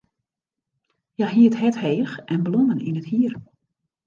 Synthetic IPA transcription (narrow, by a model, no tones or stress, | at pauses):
jaɦiːəthɛtheːxʔɛnblonənḭnəthiər